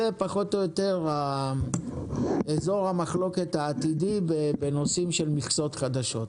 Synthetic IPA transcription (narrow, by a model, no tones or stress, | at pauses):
epaχo̞tojot̪e̞ʁa | ezo̞ʁhamaχlo̞ke̞thaːt̪idibebeno̞simʃelmiχt͡so̞t̪χad̪aʃo̞t̪